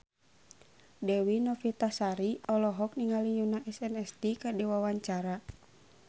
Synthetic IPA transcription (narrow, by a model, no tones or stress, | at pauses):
dɛwinɔfit̪asaɾiɔlɔɦɔk̚niŋalijunaʔɛsɛnɛst̪ikadiwawaɲt͡ʃaɾa